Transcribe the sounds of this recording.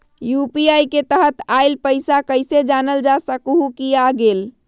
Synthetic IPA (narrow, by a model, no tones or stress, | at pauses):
jupiajket̪əɦət̪aɪlpəɪsakəɪsed͡ʒanəld͡ʒasəkɦukiaɡel